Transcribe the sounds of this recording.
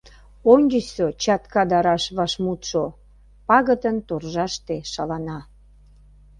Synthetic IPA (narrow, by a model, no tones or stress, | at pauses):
oŋʲɡəsot͡ɕɑt̪kɑd̪ɑɾɑʃβɑʃmut̪ʃo | pɑɣət̪ənt̪orʒɑʃt̪eʃɑlɑnɑ